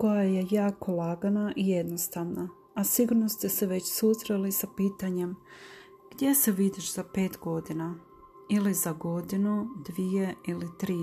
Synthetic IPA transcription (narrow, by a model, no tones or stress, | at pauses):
ko̞jaje̞jaːko̞laɡanaʔije̞d̪nost̪aʋna | asiɡuɾnost̪e̞se̞ʋe̞t͡ɕsusɾelisapiːt̪aɲe̞m | ɡ̥d̪je̞se̞ʋid̪iʃz̥ape̞ːt̪ɡo̞d̪ina | ilizaɡo̞d̪inud̪ʋije̞ilit̪ɾiː